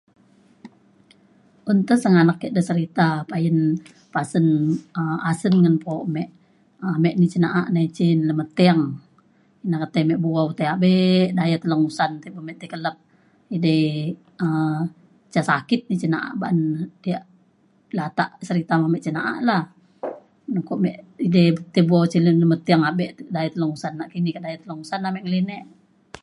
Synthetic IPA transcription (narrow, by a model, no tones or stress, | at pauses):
ʔunt̪əsəŋanakːɛʔdəsəɾit̪apajən | pasənəasənŋənpomɛʔ | mɛʔnit͡ʃinaʔaʔnait͡ʃinləmət̪eaŋ | inakət̪əmɛʔbuaut̪eaʔbeʔdajat̪ələŋusant̪eʔbəmɛʔt̪ekələp̚ | ide | ə | t͡ʃasakit̪̚nit͡ʃinaʔa̰ʔbaʔandiaʔ | lat̪aʔsəɾit̪amamɛʔt͡ʃinaʔa̰ʔla | nukoʔmɛʔidet̪ebuawt͡ʃilələmət̪ːeaŋabɛʔ̪dajat̪ələŋusanːaʔkinikaʔdajat̪ələŋusanːamɛʔŋəlinɛʔ